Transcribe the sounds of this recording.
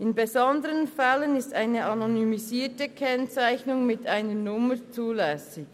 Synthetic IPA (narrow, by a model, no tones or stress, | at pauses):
ɪnbezɔndəʁənfɛlənɪstaɪnəʔɑnonymiziːtəkʰɛnt͡saɪçnʊŋmɪtaɪnəɹnʊmət͡suːlɛsɪk